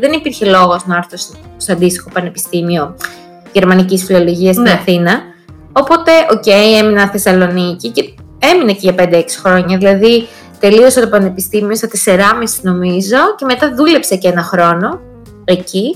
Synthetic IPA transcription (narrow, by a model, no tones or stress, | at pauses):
ðenipiɾçe̞lo̞ɣo̞znɐɾθos | stɐnd̪ist̪i̥xo̞pɐnepi̥st̪imio̞ | ʝe̞ɾmɐnicisfilo̞lo̞ʝiɐst̪inɐθinɐ | o̞po̞t̪e̞ʔo̞ce̞je̞minɐθe̞sɐlo̞nicice̞ | e̞minɐciʝɐpe̞nd̪eeksi̥xɾo̞ɲɐðilɐði | t̪e̞lio̞set̪opɐnepist̪imio̞st̪ɐt̪e̞se̞ɾɐmisino̞mizo̞ce̞met̪ɐðule̞pse̞cenɐxɾo̞no̞ | e̞ci